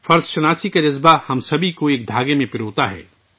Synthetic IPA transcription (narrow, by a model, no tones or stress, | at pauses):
fɐɾzʃɐnaːsikad͡ʒɐzbahɐmsɐbʱikoeːk̚d̪ʱaːɡemẽpɪɾoːt̪aɦɛ̰ː